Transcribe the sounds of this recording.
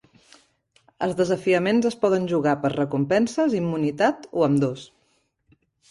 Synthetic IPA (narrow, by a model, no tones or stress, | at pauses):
ə̰lˠzðəzəfiəmenzəspɔð̞ənʲʒuɣapəɾrəkumpɛnsəzimːunit̪at̪oəmd̪os